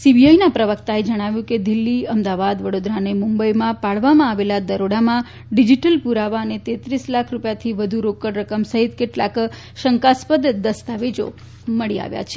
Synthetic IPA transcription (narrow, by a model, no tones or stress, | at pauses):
sibiajnapɾəʋəkt̪aed͡ʒəɽ̃aʋjũked̪ɪlːiəmd̪aʋad̪ʋəɽod̪ɾanemumbəjmãpaɭʋamãːʋelad̪əɾoɽamã | ɖid͡ʒiʈəlpuɾaʋaənet̪et̪ɾislakʰɾupjat̪ʰiʋəd̪ʱuɾokəɽɾəkəmsəɦit̪keʈla̰k | ʃəŋkaspəd̪d̪əst̪aʋed͡ʒo̰ | məɭia̰ʋja̰t͡ʃʰe̥